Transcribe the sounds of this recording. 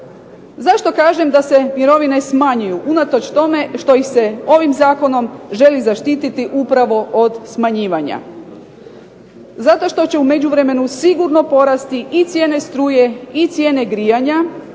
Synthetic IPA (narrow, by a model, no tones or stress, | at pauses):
zaʃt̪o̞kaːʒe̞md̪ase̞mjiɾo̞ʋine̞smaɲujuʔunat̪o̞t͡ʃt̪o̞me̞ʃt̪o̞ixse̞o̞ʋimzaːko̞no̞mʒe̞lizaʃt̪iːt̪it̪iʔupɾaʋo̞ʔod̪smaɲiːʋaɲa̰ | zat̪o̞ʃt̪o̞t͡ɕe̞ume̞d͡ʑuʋɾe̞me̞nusiɡuɾno̞po̞ɾast̪iʔit̪sʲjeːne̞st̪ɾuːje̞it̪sʲjeːne̞ɡɾijaɲa